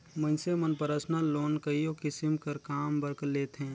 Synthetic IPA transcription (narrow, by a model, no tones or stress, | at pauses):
mə̃ɪnsemənpəɾaːsnaloːnkəijõkɪsɪmkəɾkaːmbəɾkleːt̪ɦɛ̃ː